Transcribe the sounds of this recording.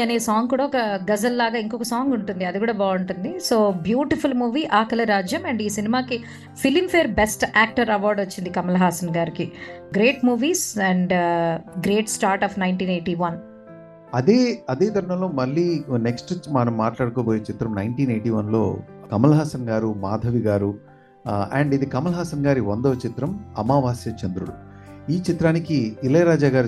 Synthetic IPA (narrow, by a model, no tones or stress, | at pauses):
ɐneːsaːŋɡkuːɽaɔkɐɡɐzɐlːaːɡaːiŋkɔkɐsaːŋɡuɳʈund̪iɐd̪ikuːɽaːbaːɐɳʈund̪iso̞ːbjuːʈipʰulmuːʋiːʔaːkɐlɐɾaːd͡ʒjɐmɐɳɖiːsinimaːki | pʰilimpʰeːɾbesʈaːk̚ʈɐɾɐʋɔːɾɖot͡ʃːind̪ikɐmɐlɐɦaːsɐnɡaːɾikiɡɾe̞ːʈmuːʋiːsɛɳɖɡɾe̞ːʈsʈaːɾʈaːfnɐjɳʈiːneːʈiːʋɐn | ɐd̪eːɐd̪eːd̪ʱɐɾɐɳɐlo̞ːmɐlːiːneksʈmɐnɐmːaːʈlaːɽɐkoːboːjet͡ʃit̪ɾɐmnɐjɳʈiːneːjʈiːʋɐnlo̰ː | kɐmɐlɐɦaːsɐnɡaːɾumaːd̪ʱɐʋiɡaːɾu | ɛɳɖid̪ikɐmɐlɐɦaːsɐnɡaːɾiʋɐnd̪oːt͡ʃit̪ɾɐmɐmaːʋaːsjɐt͡ʃɐnd̪ɾuɽuiːt͡ʃit̪ɾaːnikiːleːɾaːd͡ʒaːɡaːɾ